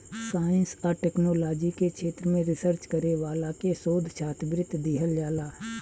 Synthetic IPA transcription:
saːɪ̃nskaɾʈɛːknoːlɔːd͡ʒikekʃʰeːt̪ɾəmẽɾɪsəɾt͡ʃkəɾeʋaːlakesoːd̪ʱʃʰaːt̪bɾɪt̪ːd̪iɦəljaːlaː

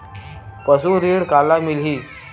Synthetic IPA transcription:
pəsuːɾiɽkalːamilɦiː

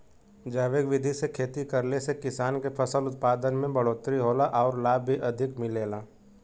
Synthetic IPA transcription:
d͡ʒaːʋeːɡʋɪd̪ʱisekʰeːt̪ikəɾlesekɪsaːnkepʰəsəlʊt̪̚paːd̪ənmẽbɐɽoːt̪ɾiɦoːlaʔɔːɾlaːbʱiʔɐd̪ʱɪkmɪleːlaː

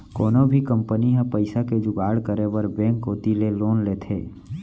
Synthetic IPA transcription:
kɔːnobʱikə̃mpəniɦãpəɪsaked͡ʒʊɡaːɽkəɾewəɾbɛ̃ːŋkɦoːt̪ileloːnleːt̪ʰeː

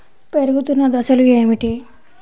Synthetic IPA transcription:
peɾuɡut̪unːɐd̪ɐsɐlue̞ːmiʈi

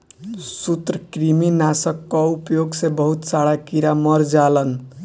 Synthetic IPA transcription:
sut̪ɾəkɾiminasəkːɔupjoɡsebəɦut̪saɽakiɾamʌɾd͡ʒalən

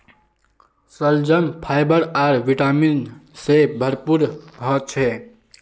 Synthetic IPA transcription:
səld͡ʒəmpʰajbəɾaɾʋiʈaminsebʱəɾpuɾɦɔt͡ʃʰɛ

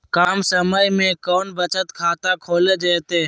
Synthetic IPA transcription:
kaːmsəməimẽːkoːnbət͡ʃət̪kʰaːt̪ãːkʰoːleːd͡ʒəːt̪eː

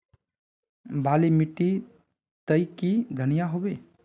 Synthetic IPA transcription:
baːlimɪʈːi | t̪əikid̪ʱənijaɦobeː

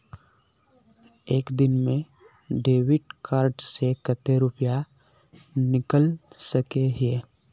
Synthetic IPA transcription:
eːkd̪ɪnmẽ | ɖeːʋɪʈ̚kʰaːɾɖsekət̪eɾʊpja | nɪkəlsəkeɦeː

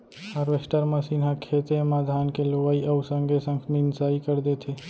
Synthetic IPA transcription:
əɾʋesʈəɾməsinɦakʰet̪emad̪ʱankeloəiəusəŋɡʱesə̃ŋɡminsaikəɾd̪et̪ʰe

